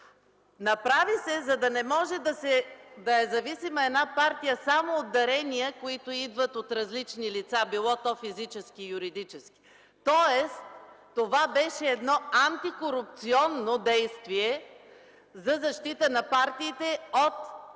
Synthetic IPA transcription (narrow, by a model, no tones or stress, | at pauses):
nɐpɾavisɛzɐd̪ɐnɛmɔʒɛd̪ɐsɛd̪ɐɛzɐvisimɐɛnapaɾt̪ijəsamoːd̪ːɐɾɛnijəkoit̪oid̪vət̪ot̪ɾɐzlit͡ʃnilit̪sabilˠɔt̪ɔfizit͡ʃɛskijʊɾid̪it͡ʃɛski̥ | t̪ɔɛst̪ː | ovabɛʃɛːd̪nɔant̪ikoɾup̚t̪siɔnːod̪ɛjst̪viɛ | zɐzɐʃt̪it̪ənɐpaɾt̪iːt̪ɛot̪